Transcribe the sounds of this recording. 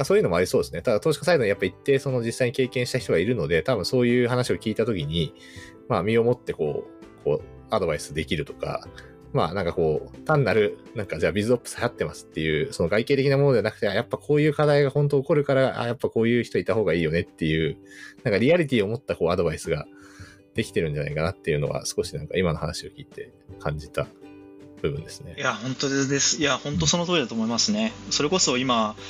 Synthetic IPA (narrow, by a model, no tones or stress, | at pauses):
akasoːjɯnmoaɾisoːd̪e̞sɨne̞t̪ad̪at̪oːɕi̥kḁsaid̪o̞ɲ̟ijapːait̪ːe̞so̞no̞d͡ʑisːaiɲ̟ike̞ːkẽ̞ɰ̃ɕi̥t̪açi̥t̪o̞ɡaiɾɯ̟no̞d̪e̞t̪abɯ̟̃ɰ̃so̞ːjɯ̟ːɦanaɕio̞kʲiːt̪at̪o̞kʲiɲ̟i | mamʲio̞mo̞t̪ːe̞ko̞̰ːkʰo̞̰ː | ad̪o̞baisɨ̥d̪e̞kʲiɾɯ̟t̪o̞̥ka̰ | ma̰ːnãŋkako̞ːt̪ãnːaɾɯ̟nãŋkad͡ʑaːbʲizɨo̞pːɯ̥shajat̪ːe̞masɨ̥t̪ːe̞jɯ̟ːso̞no̞ɡaike̞ːt̪ekʲinamonoeanak̟t̪e̞ajapːakʰo̞ːjɯ̟ːkad̪aiɡahõ̞nt̪̬o̞ːko̞ɾɯ̟kaɾaʔa̰japːako̞ːjɯ̟ːçi̥t̪oit̪aho̞ːɡaiːjo̞ne̞t̪ːe̞jɯ̟ːnãŋkaɾʲiaɾʲit̪ʲiːo̞mo̞t̪ːako̞ːad̪o̞baisɨɡa | d̪̥e̞kʲi̥t̪e̞ɾɯ̟ɲ̟d͡ʑana̰ikanat̪ːe̞jɯ̟no̞̰βa̰sɨ̥ko̞ɕinãŋka̰imano̞hanaɕio̞kʲiːt̪e̞ | kʰãɲ̟d͡ʑit̪a | b̥ɯ̟bɯ̟̃nd̪e̞sɨ̥ne̞jahõ̞nt̪od̪esɨ̥jahõ̞nt̪o̞sonot̪oːɾʲid̪at̪oːmoimasɨne̞so̞ɾe̞ko̞so̞ima